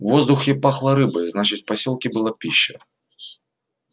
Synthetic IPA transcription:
vɔzd̪uxʲɛpaxlˠɐɾɨbɐjznat͡ʃɨt͡sʲpasʲɔlˠkʲibɨlˠapʲiɕːɐ

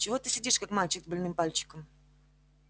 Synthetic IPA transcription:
t͡ɕɪvo̞t̪ɨsʲɪdʲiʂkakmalʲt͡ɕɪkzbɐlʲnɨmpalʲt͡ɕɪ̥kəm

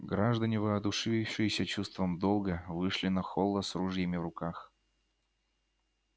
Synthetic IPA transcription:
ɡɾaʐd̪ənʲɪvəɐd̪ʊʂɨɪfʂɨjɪsʲət͡ɕust̪vəmd̪olˠɡəvɨʂlʲɪnɐxolˠəsruʐjɪmʲɪvɾʊkax

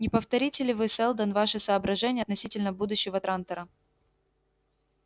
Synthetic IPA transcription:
nʲɪpəft̪ɐɾʲitʲɪlʲɪvɨsɛlˠd̪ənvaʂɨsɐːbɾɐʐɛnʲɪjɐt̪nɐsʲitʲɪlʲnəbud̪ʊɕːɪvət̪ɾant̪əɾə

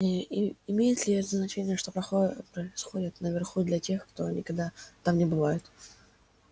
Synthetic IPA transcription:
ɪmʲejɪt̪lʲɪɛt̪əznɐt͡ɕenʲɪjəʂt̪o̞pɐpɾəɪsxo̞dʲɪt̪nəvʲɪrxud̪lʲɐtʲe̞xkt̪o̞nʲɪkɐɡ̚d̪at̪amnʲɪbɨvajɪt̪

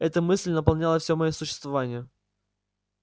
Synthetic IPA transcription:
ɛt̪əmɨsʲlʲnəpɐlˠnʲalˠəfsʲomɐjosʊɕːɪ̥st̪vɐvanʲɪjə

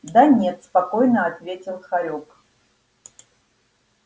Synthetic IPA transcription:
d̪anʲɛt̪spakojnəɐt̪vʲetʲɪlˠxaɾʲok

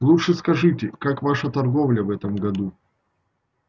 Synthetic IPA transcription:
lˠutʂɨskɐʐɨtʲɪkakvaʂət̪ɐrɡovlʲəvɛt̪əmɡɐd̪u

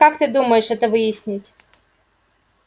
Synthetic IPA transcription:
akt̪ɪd̪umɐjɪʃɐt̪ɪʋɨjisʲnʲɪtʲ

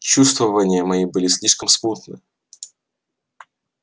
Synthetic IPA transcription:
t͡ɕust̪vəvənʲɪjəmɐibɨlʲɪsʲlʲiʂkəmsput̪nɨ

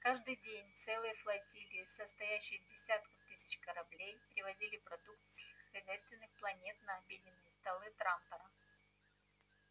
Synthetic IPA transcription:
kaʐd̪ɨjdʲenʲt̪sɛlˠɨjəflˠɐtʲilʲɪəsəst̪ɐjæɕːɪjədʲɪsʲat̪kəft̪ɨsʲɪ̥t͡ɕkəɾɐblʲejpʲɾʲɪvɐzʲilʲɪpɾɐd̪ukt̪sʲɪxəxɐzʲæjst̪vʲɪnːɨxplˠɐnʲe̞t̪nɐɐbʲidʲɪnːɨjəst̪ɐlˠɨt̪ɾampɐɾə

